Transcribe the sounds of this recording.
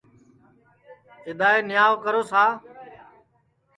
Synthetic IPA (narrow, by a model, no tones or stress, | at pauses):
t͡ʃɪd̪aːeːnɪjaːʋkəɾoːsaː